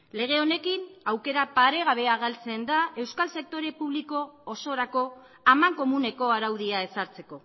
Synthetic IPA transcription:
le̞ɣ̞e̞o̞ne̞kinawke̞ɾapaɾe̞ɣaβ̞e̞aɣalt͡se̞nd̪ae̞wskalse̞k̚t̪o̞ɾe̞puβliko̞ːso̞ɾako̞ | amaŋko̞mune̞ko̞aɾawðiae̞saɾt͡se̞ko̞

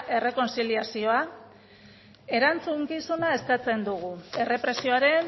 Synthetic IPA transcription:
ʔe̞re̞ko̞nt͡siliasio̞a | e̞ɾant͡suŋkisunae̞skat͡se̞nd̪uɣ̞ue̞re̞pɾe̞sio̞aɾe̞n

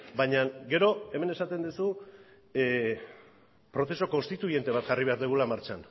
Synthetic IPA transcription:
bajɲaɡe̞ɾo̞e̞me̞ne̞sat̪e̞nd̪usu | pɾo̞θe̞so̞ko̞nst̪it̪uie̞nt̪e̞β̞at̪ʝariβe̞aɾðuɣ̞ulamaɾt͡ʃan

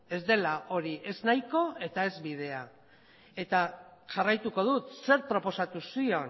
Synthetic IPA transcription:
e̞zd̪e̞laʔo̞ɾiʔe̞znajko̞e̞t̪ae̞zβiðe̞a | e̞t̪aʝarajt̪uko̞ð̞ut̪se̞ɾpɾo̞po̞sat̪usio̞n

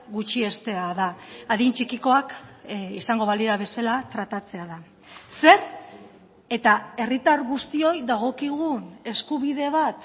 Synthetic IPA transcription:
ɡut͡ʃie̞st̪e̞aðaːðint͡ʃikiko̞akisaŋɡo̞βaliɾaβ̞e̞salat̪ɾat̪at͡se̞aða | se̞ɾ | e̞t̪ae̞rit̪aɾɣust̪io̞jðaɣ̞o̞kiɣune̞skuβ̞iðe̞βat̪

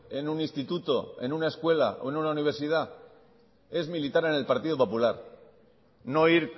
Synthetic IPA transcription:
e̞nunĩnst̪it̪ut̪o̞e̞̰nunaeskwe̞la̰ʔo̞̰e̞nunauniβ̞e̞ɾsið̞a | e̞zmilit̪aɾe̞ne̞lpaɾt̪iðopo̞pulaɾ | no̞iɾ

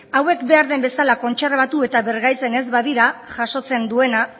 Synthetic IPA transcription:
awe̞kbe̞aɾðe̞mbe̞salako̞nt͡ʃerβat̪ue̞t̪aβe̞ɾɣajt͡se̞ne̞zβaðiɾaʝaʃo̞t͡se̞nd̪ue̞na

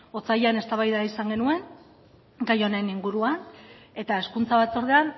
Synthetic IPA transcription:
o̞t͡sajane̞st̪aβajðaisaŋɡe̞nue̞ŋ | ɡajo̞ne̞niŋɡuɾuane̞t̪ae̞skunt͡saβat͡so̞ɾðean

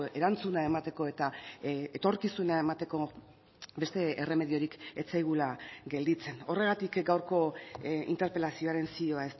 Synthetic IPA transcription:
e̞ɾant͡sunae̞mat̪e̞ko̞e̞t̪aet̪o̞ɾkisuneae̞mat̪e̞ko̞ | be̞st̪e̞ere̞me̞ðio̞ɾike̞t͡sajɣ̞ulaɡe̞ld̪it͡se̞no̞re̞ɣ̞at̪ikɡawɾko̞ḭnt̪eɾpe̞lasio̞aɾe̞nsio̞ae̞s

